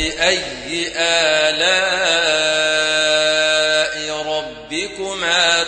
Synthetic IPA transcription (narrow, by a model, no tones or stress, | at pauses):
ɪʔajːɪʔaːlaː | ʔɪɾˤɑbːɪkʊmaː